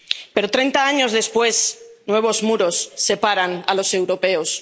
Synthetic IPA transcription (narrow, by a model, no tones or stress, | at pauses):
pe̞ɾot̪ɾe̞jnt̪aaɲo̞zðe̞spwe̞snwe̞β̞o̞zmuɾo̞sːe̞paɾanalo̞se̞wɾo̞pe̞os